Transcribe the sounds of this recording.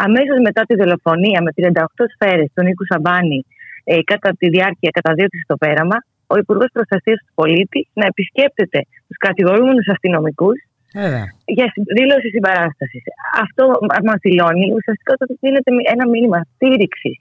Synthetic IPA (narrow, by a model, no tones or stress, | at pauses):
ɐmeso̞zme̞t̪ɐt̪iðo̞lo̞fo̞niɐme̞t̪ɾiɐnd̪ɐoxt̪o̞sfe̞ɾe̞st̪onikusɐbɐnikɐt̪ɐt̪iðiɐɾciɐkɐt̪ɐðio̞t̪isist̪o̞pe̞ɾɐmɐ | o̞ipuɾɣo̞spɾo̞sθɐsiɐst̪u̥po̞lit̪isnɐe̞pisce̞p̚t̪e̞t̪e̞ | t̪u̥skɐt̪iɣo̞ɾume̞nusɐst̪ino̞mikus | ʝɐsðilo̞sisibɐɾɐst̪ɐsisɐ̰ft̪o̞ɐzmɐzðilo̞niusiɐst̪i̥kɐot̪ot̪iðine̞t̪e̞enɐminimɐst̪iɾiksis